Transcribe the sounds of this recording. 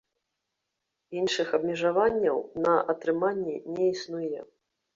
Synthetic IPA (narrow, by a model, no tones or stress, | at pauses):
inʂɨxɐbmʲɛʐavanʲːɐwnɐʔɐt̪ɾɨmanʲːɛnʲɛisnujɛ